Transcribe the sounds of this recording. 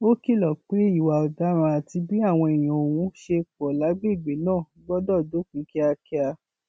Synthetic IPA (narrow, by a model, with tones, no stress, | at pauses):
o˦ki˦˨lɔ˨k͡pe˨˦i˦˨wa˨ɔ˨da˨˦ɾ̃ã˧a˨ti˧bĩ˦a˦˨w̃ɔ̃˧i˨j̃ã˨o˨wũ˨˦ʃe˧kɔ˨la˨˦ɡ͡be˦˨ɡ͡be˨˦nãː˦˨˦ɡ͡bɔ˦dɔ˦˨do˨˦kĩ˨˦ki˦a˧ki˦a˧